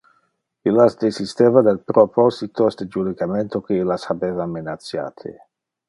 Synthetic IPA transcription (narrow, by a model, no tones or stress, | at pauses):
ilːasd̪esist̪eːvad̪alpɾopʰɔzit̪osd̪ed͡ʒud̪ikament̪okeilasabeːvamenat̪sja̰ːt̪ʰḛ